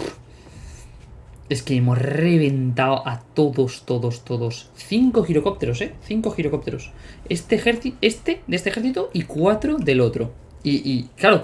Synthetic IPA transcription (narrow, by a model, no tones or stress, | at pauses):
e̞skeemo̞sre̞β̞e̞nt̪awʔat̪o̞ðo̞st̪o̞ðo̞st̪o̞ðo̞sθiŋko̞xiɾo̞ko̞p̚t̪e̞ɾo̞seθiŋko̞xiɾo̞ko̞p̚t̪eɾo̞sest̪exeɾθie̞st̪e̞d̪est̪exe̞ɾθit̪oʔikwat̪ɾo̞ðe̞lo̞t̪ɾo̞ | iʔiklaɾo